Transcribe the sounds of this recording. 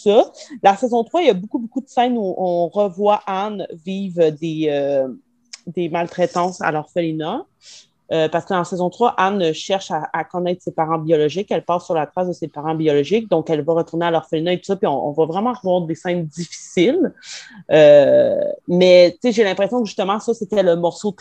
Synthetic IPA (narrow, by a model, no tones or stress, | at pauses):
sɔlasɛzɔ̃t̪χwaijabokubokud̪əsɛnuʔɔ̃ʁəvwaʔanviːvød̪eø | d̪emalt̪χɛt̪ɑ̃ːsa̰lɔʁfəlina | øpaʁsə̥kəd̪ɑ̃sɛzɔ̃t̪χwaʔanʃɛʁʃaːkɔnɛt̪χsepaʁɑ̃biɔlɔʒɪkɛlpɑ̃syʁlat̪χasd̪əsepaʁɑ̃biɔlɔʒɪk̚d̪ɔ̃kɛlvaʁət̪uʁnealɔʁfəlinaet̪u̥sɔpiɔ̃ʔɔ̰̃vavʁɛmɑ̃ʁəvwaːʁd̪esɛ̃nd̪ifi̥sil | ø | mɛt͡seʒelɛ̃pχɛsjɔ̃kʒyst̪əmɑ̃sʌset̪ɛləmɔʁso